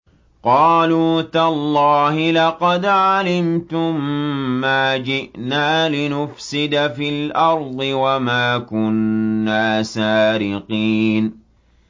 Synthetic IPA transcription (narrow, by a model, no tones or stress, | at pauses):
qɑːluːt̪alˤːɑːhɪlɑqɑd̪ʕalɪmt̪ʊmːaːd͡ʒɪʔnaːlɪnʊfsɪd̪afilʔɑɾˤd̪ˤɨwamaːkʊnːaːsaːɾɪqiːn